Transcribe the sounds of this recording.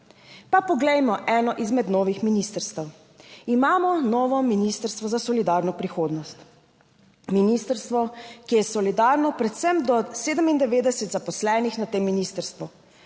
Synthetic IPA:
papɔɡlɛjmɔʔɛːnɔʔizmɛd̪nɔːʋixminist̪əɾst̪əw | imaːmɔnɔːʋɔminist̪əɾst̪ʋɔzasɔlid̪aːɾnɔpɾixoːd̪nɔst̪ | minist̪əɾst̪ʋɔkijɛsɔlid̪aːɾnɔpɾɛt̪sɛmd̪ɔseːd̪əmind̪ɛʋeːd̪ɛsɛt̪zapɔslɛːnixnat̪eːmːinist̪əɾst̪ʋu

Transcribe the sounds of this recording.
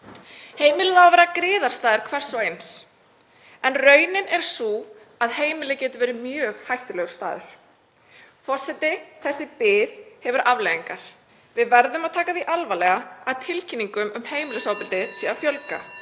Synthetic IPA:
heːjmɪlɪðawvɛːɾakɾɪːðaɾ̥st̪aːðʏɾ̥kʰvɛ̥sːɔwejns | ɛnrœːɥnɪnɛɾ̥su | aðheːjmɪlɪcɛːt̪ʏvɛːɾɪmjœːɣhajht̪ʏlɛɣʏ̥st̪a̰ːðʏ̰ɾ̥ | fɔr̥sɛt̪ɪθɛsːɪpɪːðhɛvʏɾʔavleːɣiŋkaɾ̥ | vɪðvɛɾðʏmaðt̪ʰaːkaθiʔalvalɛɣaaðt̪ʰɪlcʰinːiŋkʏmʏmheːjmɪlʏsaːwpɪlt̪ɪsiːðafjœlka̰

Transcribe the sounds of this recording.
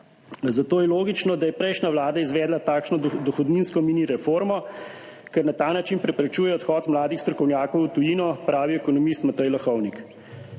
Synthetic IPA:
zat̪oːjɛloːɡit͡ʃnɔd̪ajɛpɾɛjʃnʲaʋlaːd̪aizʋɛːd̪lat̪aːkʃnɔd̪ɔxɔd̪ninskɔmiːniɾɛfoɾmɔ | kɛɾnat̪aːnat͡ʃinpɾɛpɾɛt͡ʃuːjɛɔt̪xɔːt̪mlaːd̪ixst̪ɾɔkɔwnjaːkɔwut̪ujiːnɔpɾaːʋiɛkɔnɔmist̪mat̪əjlaxɔwnik

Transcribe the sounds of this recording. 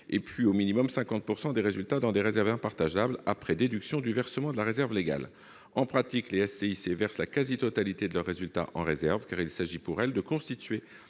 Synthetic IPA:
ḛpɥiominimɔmsɛ̃kɑ̃t̪̚puʁsɑ̃d̪eʁezylt̪ad̪ɑ̃d̪eʁezɛʁvɛ̃paʁt̪aʒablapχɛd̪ed̪yksjɔ̃d̪yvɛʁsəmɑ̃d̪əlaʁezɛʁvleɡa̰l | ɑ̃pχat̪ikleɛsːeisevɛʁslakazit̪ɔt̪alit̪ed̪əlœʁːezylt̪a̰ʔɑ̰̃ʁezɛʁvkaʁilsaʒipuʁɛld̪əkɔ̃st̪it̪ɥe

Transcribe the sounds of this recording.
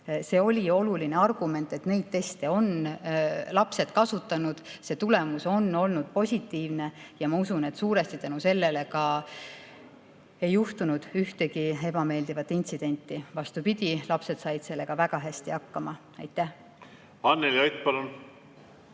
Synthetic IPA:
se̞ːo̞lʲio̞luline̞ɑrɡ̥ume̞nt̪ːˑe̞t̪ne̞jd̪̥̚t̪ːe̞st̪eo̞n | lɑpse̞t̪kɑsut̪ːˑɑnud̪̥se̞t̪ule̞muso̞nːo̞lnud̪̥̚po̞sʲit̪ːˑiːvne̞jɑmɑusune̞t̪suːɾe̞st̪it̪ænuse̞lːe̞le̞kɑ | e̞jːuht̪unud̪̥yht̪e̞ɡie̞b̥ɑme̞ːld̪̥ivɑt̪ːint̪sid̪̥e̞nʲt̪ːˑivɑst̪upid̪̥ʲilɑpse̞d̪̥sɑjd̪̥se̞lːe̞ɡ̥ɑvæɡ̥ɑɦæsʲt̪ihɑkːɑmɑ | ɑjt̪ːˑæh | ɑnːeljojt̪pɑlun

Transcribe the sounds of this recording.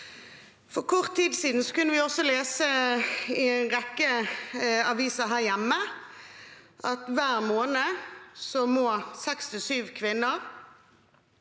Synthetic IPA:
fɔʁkʰɔʁt̪ʰːiːd̪siːd̪n̩sɔkʉnːəʋɪɔsːɔleːsəɪnʁɛkːə | ɑʋiːsɑɦæːʁjæmːə | ʔɑt̪ʋæːʁmoːnəsɔmoːsɛkst̪ʰɪsyːʋkʰʋɪnːəʁ

